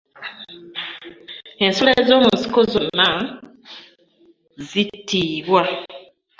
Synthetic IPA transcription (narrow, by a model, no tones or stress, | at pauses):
ensulezo̞ːmunsi̥kozonːa | zitiːβwa